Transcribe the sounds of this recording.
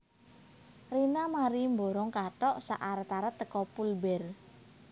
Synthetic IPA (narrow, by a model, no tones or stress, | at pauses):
rinamaɾimboɾɔŋkaʈɔʔsa̰ʔaɾət̪aɾət̪ːəkɔpulbɛr